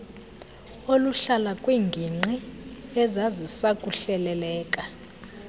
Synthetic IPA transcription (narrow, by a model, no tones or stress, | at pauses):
oluɬalakʼwiːŋɡʱiŋ͡ǃiɛzazisakʼuɬɛlɛlɛːkʼa